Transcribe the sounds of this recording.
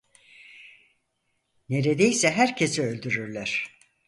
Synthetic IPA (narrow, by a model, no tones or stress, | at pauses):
ne̞ɾe̞d̪ejsɛɦæɾcʰe̞sɛø̞lʲd̪yɾyɾlʲæɾ̥